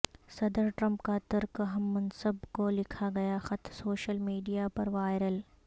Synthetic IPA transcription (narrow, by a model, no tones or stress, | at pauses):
sɐd̪əɾʈɾɐ̃mpkat̪əɾkəɦɐmːɐnsəbkolɪkʰaɡɐjaxɐt̪ʰsoːʃəlmiːɖijapɐɾʋaːɪɾəl